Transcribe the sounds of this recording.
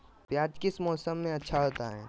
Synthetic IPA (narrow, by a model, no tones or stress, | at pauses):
pjaːd͡ʒkɪsmɔːsəmːẽɐtːʃʰaɦoːt̪aɦɛ̰ː